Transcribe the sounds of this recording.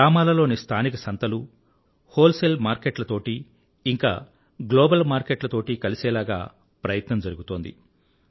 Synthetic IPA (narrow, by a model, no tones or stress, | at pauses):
aːmaːlɐlo̞ːnist̪ʰaːnikɐsɐnt̪ɐlu | hoːlselmaːɾkeʈlɐt̪o̞ːʈiː | ŋka̰ː | ɡloːbɐlmaːɾkeʈlɐt̪o̞ːʈikɐlisɛːlaːɡa̰ː | pɾɐjɐt̪nɐmd͡ʒɐɾuɡut̪o̞ːnd̪ḭ